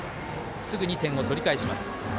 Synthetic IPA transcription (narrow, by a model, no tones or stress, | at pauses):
sɨɡɯ̟ɲ̟it̪ẽ̞o̞t̪o̞ɾʲikaiɕima̰sɨ̥